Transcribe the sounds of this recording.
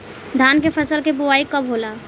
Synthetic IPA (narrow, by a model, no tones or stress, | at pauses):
d̪ʱaːnkepʰəsəlkebʊaːikɐbɦoːlaː